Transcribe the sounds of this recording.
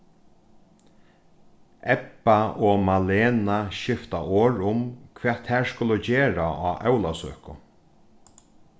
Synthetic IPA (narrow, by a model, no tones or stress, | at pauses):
ɛpːaɔmaleːnaʃɪft̪aʔoːɹʊmkʰʋɛːt̪ʰːɛɹskʊlʊt͡ɕeːɹaaːʔœwlasø̰ːkʊ